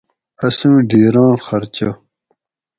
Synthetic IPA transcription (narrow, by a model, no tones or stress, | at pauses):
ɐsũːɖiːɾɑ̃ːxɐɾt͡ɕo